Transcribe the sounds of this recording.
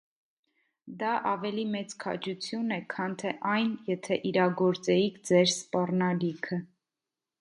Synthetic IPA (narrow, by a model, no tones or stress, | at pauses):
d̪ɑʔɑvɛlimɛt͡skʰɑ̰d͡ʒut͡sʰjunɛkʰɑnt̪ʰɛʔɑjnjɛt̪ʰɛʔiɾɑɡɔɾt͡sɛikʰd͡zɛɾspɑrnɑlikʰə